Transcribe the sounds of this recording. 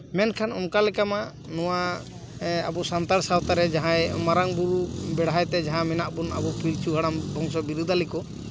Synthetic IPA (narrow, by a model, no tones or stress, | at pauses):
mɛnkʰanɔmkalɛkama | nɔwa | a̰bɔsant̪aɾsawt̪aɾɛd͡ʒaɦãjmaɾaŋbuɾubɛɽɦajt̪ɛd͡ʒaɦãmɛnaʔbuna̰bɔpiɾt͡ʃuɦaɽambʱɔŋsɔbiɾud̪ʱalikɔ